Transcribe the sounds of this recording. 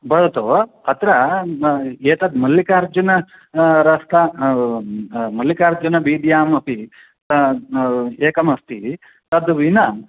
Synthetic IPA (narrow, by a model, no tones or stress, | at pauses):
bɐɽɐt̪oɐt̪ɾɐ | eːʈ̪ɐd̪mɐlːikaːɾd͡ʒunɐ | ɾɐst̪a | mɐlːikaːɾd͡ʒunɐbiːd̪jaːmɐpi | t̪ɐ | eːkɐmɐst̪i | t̪ɐd̪ʋinɐ